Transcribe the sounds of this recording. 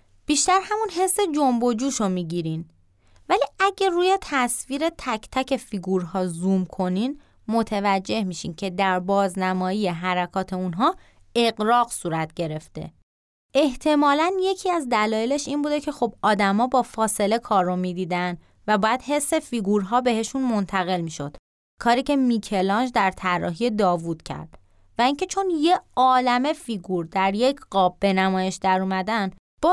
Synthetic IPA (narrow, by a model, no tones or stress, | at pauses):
b̥iːʃt̪æɾhæmunɦe̞sːe̞d͡ʒombo̞d͡ʒuːʃomiːɟiɾin | væliæɟeruːje̞t̪ʰæsviːɾe̞t̪ʰæcʰt̪ʰæcʰe̞fiːɡuɾɦɒːzumkʰo̞niːn | mo̞t̪ʰevæd͡ʒːe̞hmiʃḭncʰe̞d̪æɾbɒːznæmɒːjije̞ɦæɾækʰɒːt̪ʰe̞unɦɒː | e̞ɡɾɒːɣsuːɾæt̪̚ʰɟe̞ɾe̞ft̪e̞̰ | e̞ht̪ʰe̞mɒːlænje̞cʰiːæzd̪ælɒːjele̞ʃiːnbuːd̪e̞cʰexobɒːd̪æmɒːbɒːfɒːse̞le̞kʰɒːɾːomiːd̪iːd̪æn | væbɒːjæd̪̥he̞sːe̞fiːɡuɾɦɒːbe̞ɦe̞ʃunmo̞nt̪ʰæɣe̞lmiːʃo̞̰d̪̥ | kʰɒːɾiːcʰe̞micʰe̞lɒnd͡ʒd̪æɾt̪ʰærːɒ̰ːɦijed̪ɒːvud̪̥cʰæ̰ɾd̪̥ | væiːncʰe̞t͡ʃʰo̞nje̞ɒːlæme̞fiːɡuɾd̪æɾjecʰɢɒːbːe̞næmɒːje̞ʃd̪æɾuːmæd̪ænd̪ | b̥ɒ